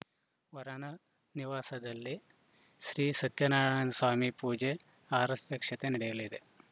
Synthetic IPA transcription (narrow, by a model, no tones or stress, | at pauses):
ʋɐɾɐnɐ | niʋaːsɐd̪ɐlːi | ʃɾiːsɐt̪jɐnaːɽɐnɐsaːmipuːd͡ʒe | aːɾɐst̪ɐkʂɐt̪enɐɽɛjɐlid̪e